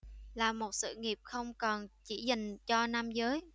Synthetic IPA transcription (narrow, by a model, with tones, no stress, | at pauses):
laː˨˩mo˨˩t̚sɨ̰˧˨ŋi˨˩əp̚xə˧wŋ͡mkɔ˨˩nt͡ɕi˧˩za˨˩ŋ̟t͡ɕɔ˧na˧mzəː˨˦j